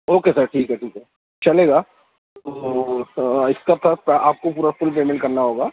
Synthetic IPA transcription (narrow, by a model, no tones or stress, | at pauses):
oːkesɐɾʈʰiːkɦɛʈʰiːkɦɛ | t͡ʃɐleːɡaː | o | ɪskat̪ʰapaːp̚kopuːɾafʊlpeːmẽɳʈkɐɾnaɦoːɡaː